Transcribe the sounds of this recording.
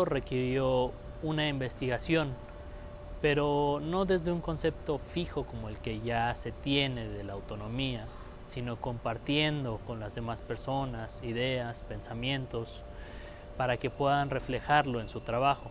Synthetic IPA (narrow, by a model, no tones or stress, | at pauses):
re̞kiɾjo̞ | unaimbe̞st̪iɣasjo̞n | pe̞ɾo̞no̞ðe̞zðe̞uŋko̞nse̞p̚t̪o̞fixo̞ko̞mo̞e̞lke̞ʝase̞t̪je̞ne̞ðe̞laːwt̪o̞nõ̞mia | sino̞ko̞mpaɾt̪je̞nd̪o̞ko̞nlazðe̞maspe̞ɾso̞nasiðe̞aspe̞nsamjẽ̞nt̪o̞s | paɾake̞pwe̞ðanre̞fle̞xaɾlo̞e̞nsut̪ɾaβ̞axo̞